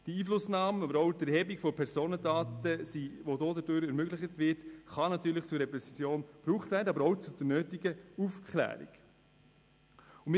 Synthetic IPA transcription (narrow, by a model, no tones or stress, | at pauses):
d̥iiːflʊsnɑːməɑbəɾɔʊd̥ɛhɛbikfɔpʰɛɾsoːnədɑːtəsiʋodoːdəd̥øːɾɛɾmøɡlɪχətʋɪɾtχɑnɑt̪yːɾləχt͡sʊɾɛpɾɛsit͡sjoːnb̥ɾuːχtvæːɾdəɑbəɾɔʊt͡sud̥ənøːtiɡəufkʰχlæ̰ːɾḭɡ̥ | ʊmɪ